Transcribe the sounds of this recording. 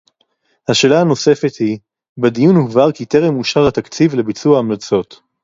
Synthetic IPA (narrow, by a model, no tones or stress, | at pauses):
haʃe̞ːlahano̞se̞fet̪hi | bed̪ijunhuvaʁkit̪eʁemuʃaʁhat̪akt͡sivle̞bit͡suaːmlat͡so̞t̪